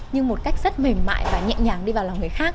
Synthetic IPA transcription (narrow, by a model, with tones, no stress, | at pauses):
ɲɨ˧ŋmo˨˩t̚ka˦˥jk̚zə˦˥t̚me˨˩mma̰ː˧˨jvaː˨˩ɲɛ̰˧˨ɲaː˨˩ŋɗi˧vaː˨˩wla˨˩ŋ͡mŋɨ˨˩əjxaː˦˥k̚